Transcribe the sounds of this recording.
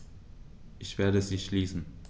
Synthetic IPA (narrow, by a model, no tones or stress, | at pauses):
ʔɪçv̥eːɐdəziːʃliːsn̩